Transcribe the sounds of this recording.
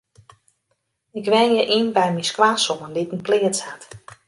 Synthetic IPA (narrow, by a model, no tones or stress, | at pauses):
ɪkʋɛnjəʔinbɛjmiskwaːsomənditənplɪətshat